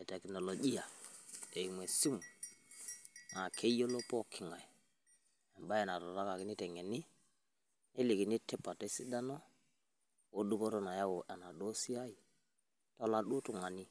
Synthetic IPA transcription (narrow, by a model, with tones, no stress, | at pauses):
ɛ˨tɛ˨kno˨lo˨ɡi˦ja˨e˨i˨mwe˨su˦m | ŋa˨kʰe˦jo˦lo˦po˦kʰi˨ŋa˨i˨ | ɛ˨nba˦e˨na˨ɾɔ˨ɾa˦ka˨ki˦ni˦tɛ˨ŋe˨ni˦ | e˦li˨ki˨ni˦tːɛ˦pːa˨te˦si˦da˦no˦ | wo˦du˦po˦ɾo˦na˨ja˦wo˨ʔa˨na˨ɗo˦si˦a˦i˨ | to˦la˦ɗo˦tu˨ŋa˨ni˦